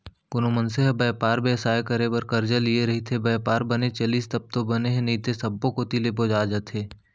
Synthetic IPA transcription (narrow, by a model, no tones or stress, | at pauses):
kʊnomənseɦbɛːpaːɾbɛːsaːekəɾebəɾkəɾd͡ʒəlieɾɐɦit̪ʰebɛːpaːɾbənet͡ʃɐliːst̪ɐb̚t̪obɐneɦẽniːt̪esɐbːõkot̪ileboːd͡ʒaːd͡ʒət̪ʰeː